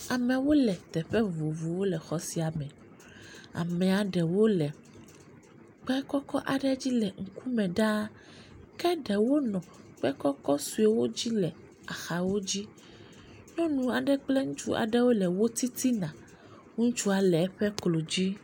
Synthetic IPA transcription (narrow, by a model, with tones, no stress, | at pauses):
a˨mɛ̃˨wo˦lɛ˨t̪ɛ˨ɸɛ˦vo˨vu˨wo˦lɛ˨xɔ˦si˨a˨mɛ̃˨ | a̰˨mɛ̃˨a˨ɖɛ˨wo˦lɛ˨ | k͡pɛ˦kɔ˦kɔ˦ʔa˨ɖɛ˦d͡ʑi˦lɛ˨ŋ̩˨ku˦mɛ̃˨ɖa˦ | kɛ˦ɖɛ˨wo˦nɔ̃˨k͡pɛ˦kɔ˦kɔ˦su˨e˨wo˦d͡ʑi˦lɛ˨ | a˨xa˨wo˦d͡ʑi˦ | ɲɔ̃˦nũ˨a˨ɖɛ˨k͡plɛ˦ŋũ˦t͡ʃu˦ʔa̰˨ɖɛ˦wo˦lɛ˨wo˦t̪i˦t̪i˦nã˨ | ŋo˦ŋũ˦t͡ʃu˦a˨lɛ˨ɛ˦ɸɛ˦klo˨d͡ʑi˦